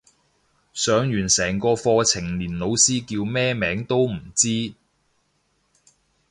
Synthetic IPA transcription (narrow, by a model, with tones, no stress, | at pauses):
sœː˨˥ŋjyː˨˩nsɛː˨˩ŋkɔː˧fɔː˧t͡sʰɪ˨˩ŋliː˨˩nlo˨˧wsiː˥kiː˧wmɛː˥mɛː˨˥ŋt̪o˥wm̩˨˩t͡siː˥